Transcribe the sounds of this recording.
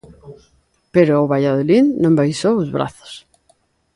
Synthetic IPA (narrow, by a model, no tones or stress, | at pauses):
peɾoːβaʎað̞olinːõmbajsoozβɾa̰θo̥s